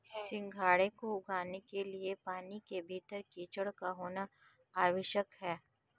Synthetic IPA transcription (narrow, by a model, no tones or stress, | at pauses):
sɪ̃ŋɡʱaːɽekoʊɡaːnekeliepaːnikebʱiːt̪əɾkiːt͡ʃəɽkaɦoːna | aːʋɪʃjəkɦɛː